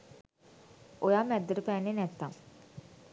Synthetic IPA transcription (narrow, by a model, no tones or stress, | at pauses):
ojaːmɛd̪ːəɾəpæːnːenɛt̪ːaŋ